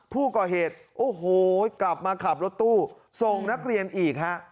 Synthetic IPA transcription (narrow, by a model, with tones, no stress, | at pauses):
pʰuː˥˩kɔː˨˩ɦeː˨˩t̪̚ʔoː˨˩ɦoː˨˩kla˨˩p̚maː˧kʰa˨˩p̚ɾo˦˥t̪ːuː˥˩ | so˨˩ŋna˦˥k̚ɾi˧ənʔiː˨˩k̚ha˦˥ʔ